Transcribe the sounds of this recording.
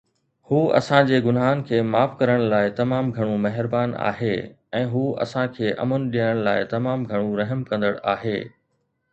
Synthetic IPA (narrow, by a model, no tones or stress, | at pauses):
huːɐ̰sãd͡ʑeːɡʊnɦaːnkʰeːmaːfkɐɾəɽ̃laːɪt̪ɐmaːmɡʱɐɽ̃ũmɐɦɪɾbaːna̰ːɦeː | ɛ̃ːɦuːɐ̰sãkʰeːʔɐ̰mʊnɗiəəɽ̃laːɪt̪ɐmaːmɡʱɐɽ̃ũɾɐɦəmkɐ̃nd̪əɽa̰ːɦeː